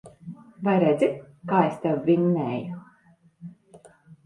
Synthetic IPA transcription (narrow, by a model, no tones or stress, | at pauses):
vajɾed̪zʲi | kaːest̪ʲɛwːʲiɲnɛːju